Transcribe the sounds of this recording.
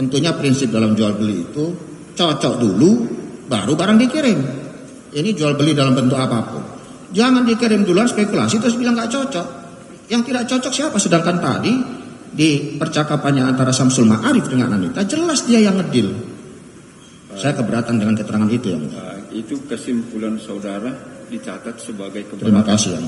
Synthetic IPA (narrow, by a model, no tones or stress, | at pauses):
t̪ənt̪uɲapɾinsɪp̚dalamd͡ʒualbəlḭːt̪u | t͡ʃɔt͡ʃɔʔduluba̰ɾubaɾaŋdikiɾɪm | inid͡ʒualbəlidalambənt̪ʊkapapʊ̰n | d͡ʒaŋandikiɾɪmduluanspekula̰sit̪ɾʊs̬bilaŋɡaʔt͡ʃɔt͡ʃɔʔ | jaŋt̪idaʔt͡ʃɔt͡ʃɔk̚siapasədaŋkant̪a̰di | dipərt͡ʃakapanɲaːnt̪aɾasamsulmaʔaɾɪfdəŋa̰nːanit̪ad͡ʒəlasdiajaŋːədɪl | sajakəbəɾat̪andəŋankət̪əɾaŋanit̪uja̰ŋit̪ukəsɪmpulansaudaɾadit͡ʃat̪at̪̚səbaɡajkət̪ɾɾimakasia̰